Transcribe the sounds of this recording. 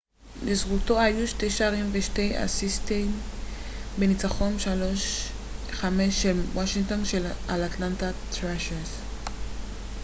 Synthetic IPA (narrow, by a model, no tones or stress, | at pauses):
d̪esɡult̪oajuʃt̪eʃaɾinbeʃt̪eja̰sist̪en | benit͡saχomʃaloʃ | χamesʃelwaʃiŋt̪onʃelalat̪lant̪at̪ɾaʃeɾs